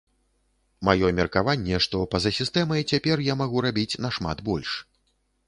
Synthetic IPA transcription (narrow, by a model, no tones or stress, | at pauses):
majɔmʲɛrkavanʲːɛʂt̪ɔpɐzɐsʲist̪ɛmɐjt͡sʲapʲɛrjamaɣuɾabʲit͡sʲnɐʂma̰d̪bɔlʲʂ